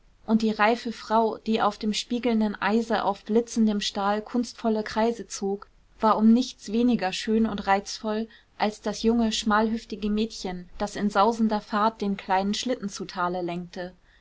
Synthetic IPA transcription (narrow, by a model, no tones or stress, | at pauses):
ʔʊnt̚d̥iːʁaɪfəfʁ̥aʊd̥iːʔaʊfd̥eːmʃpiːɡl̩ndənʔa̰ɪzəʔa̰ʊfb̥lɪt͡sn̩dəmʃtaːlkʰʊnstfɔləkʁ̥aɪzət͡soːk | v̥aːɐʊmnɪçt͡sv̥eːnɪɡɐʃøːnʊntʁaɪt͡sfɔl | ʔalsd̥asjʊŋəʃmaːlɦʏftɪɡəmɛːtçənd̥asɪnzaʊzn̩dɐfaːɐt̚d̥eːnkʰl̥aɪnənʃlɪtn̩t͡sutʰaːləlɛŋk̚tʰə